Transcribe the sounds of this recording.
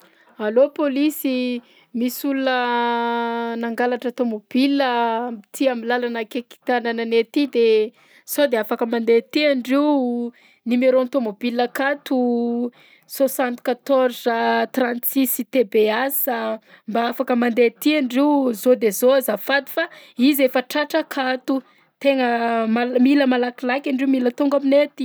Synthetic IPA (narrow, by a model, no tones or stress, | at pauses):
alopolisi | misulunə | naŋɡalaʈ͡ʂət̪omob̥iləmit̪ʰiamilalanəkeki̥t̪anananet̪id̪e | sod̪eafakəmand̪et̪iaɳɖ͡ʐiw | nimeɾont̪omobiləkat̪u | sosãnt̪i̥kat̪ɔrzət̪rãnt̪sisit̪ebeasə | mbaafakəmand̪et̪iaɳɖ͡ʐiwzod̪ezoazafad̪i̥faizefəʈ͡ʂaʈ͡ʂəkʰat̪u | t̪eŋəmamiləmalakilakʲaɳɖ͡ʐiumilət̪uŋɡaminet̪i̥